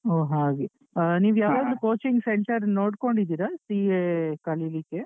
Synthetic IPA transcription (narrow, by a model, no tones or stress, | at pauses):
oːɦaːɡe | niːʋjaːʋond̪ukoːt͡ʃiŋɡseɳʈɐɾnoːɽko̞ɳɖid̪iːɾasiːekɐlilike